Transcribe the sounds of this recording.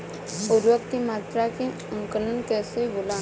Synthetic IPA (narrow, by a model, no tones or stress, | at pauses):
ʊɾwək̚t̪imaːt̪ɾake | ə̃ŋkələnkɛːseɡʊla